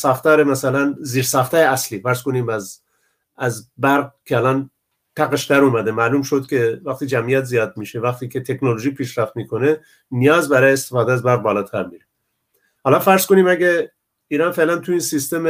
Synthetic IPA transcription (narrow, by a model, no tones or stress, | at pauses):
sɑːxt̪æɾemæsælænziːɾsɑːxt̪ʰæːjeæsliːfæɾskoniːmæz | æzbæɾɡ̚kʲʰeælɑn | t̪ʰæɣeʃd̪æɾuːmæd̪emæːluːmʃod̪̚kʲʰe̞væxt̪iːd͡ʒæmijæt̪zijɑːd̪̚miːʃevæxt̪iːkʰet̪ʰe̞knoloʒiːpʰiːʃɾæft̪miːkʰone | nijɑːzbæɾɑːjeest̪efɑːd̪eæzbæɾɣ̚bɒːlɑːt̪ʰæɾmiːɾe | hɑːlɑnfæɾsko̞niːmæɡe | iːɾɑnfe̞lænt̪ʰuiːnsist̪eme